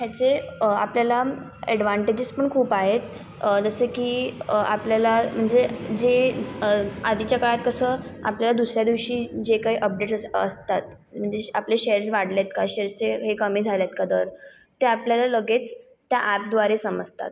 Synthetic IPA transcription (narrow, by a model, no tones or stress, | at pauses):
ɦjat͡seapljala | ɛɽʋaɳʈed͡ʑid͡zpəɳkʰuːpaɦet̪ | d͡zəsekiːa̰pljalam̤əɳd͡zed͡ze | ad̪it͡ɕjakəɭat̪kəsəːa̰pljalad̪usɾjad̪iʋɕiːd͡ʑekaɦiʔəp̚ɖeʈəst̪at̪ | m̤əɳd͡zeapleɕeɾsʋaɽljat̪̚kaɕeɾst͡seɦekəmiːd͡zʱaljat̪kad̪əɾ | t̪ːeapljalaləɡet͡s | t̪jaʔæp̚d̪ʋaɾesəməd͡zt̪a̰t̪